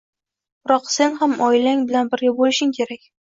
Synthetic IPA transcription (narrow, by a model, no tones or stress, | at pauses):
ʊɾɒqse̞nhamɒɪlaŋbɪlanbɪɾɡʲabolɪʃɪŋkʲʰe̞ɾakʲ